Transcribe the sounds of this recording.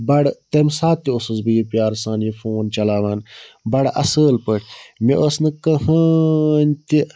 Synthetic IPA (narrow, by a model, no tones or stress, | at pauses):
bɐɽt̪emsaːt̪ːiosuzbɨjipjaːɾsaːnjifoːnt͡ʃɐlaːʋaːnbɐɽɐ̰səːlpəʈʰʲmḛʔosnɨkɐɦɐnʲt̪i